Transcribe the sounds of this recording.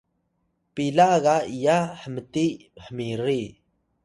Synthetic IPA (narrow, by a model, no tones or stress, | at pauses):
pilaɣaijaħəməti | ħəmiri